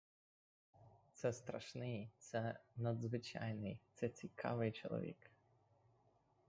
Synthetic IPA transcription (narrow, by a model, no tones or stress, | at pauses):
t̪sɛst̪ɾɐ̰ʂnɪjt̪sɛnɐd̪zvɨt͡ɕa̰jnɨjt̪sɛt͡sʲɪkʰa̰vɨjt͡ɕɛlˠɐ̰vʲḭk